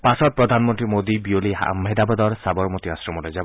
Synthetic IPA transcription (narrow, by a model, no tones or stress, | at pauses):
pasɔt̪̚pɾɔd̪ʱanmɔnt̪ɾimod̪ibioliɦa̰mɦed̪abɔd̪ɔɾsabɔɾmot̪iasɾɔmɔlɔjd͡ʒabɔ